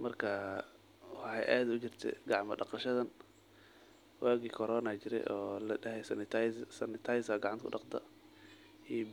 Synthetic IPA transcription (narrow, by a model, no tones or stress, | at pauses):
mɐrkʰɐ | wɑħɑjʔaːd̪ʊt͡ʃɪrt̪ʰɛ̰ɡɑʕmɐɖɑqɑʃɐðɐn | waːɡikʰɔɾɔːnat͡ʃɪɾɛ̰jʔɔːlɐɐɦɛjsnɪt̪ʰsɐnɪt̪ʰajsaɡɑʕɑnt̪kʰʊɗɑqt̪ʰɐ̰ | ij